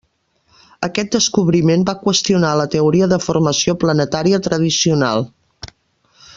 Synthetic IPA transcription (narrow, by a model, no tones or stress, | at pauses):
əkɛt̪̚d̪əskuβɾimembakwəst̪iunalət̪əuɾiəðəfurməsioplənət̪aɾiət̪ɾəðisiuna̰lˠ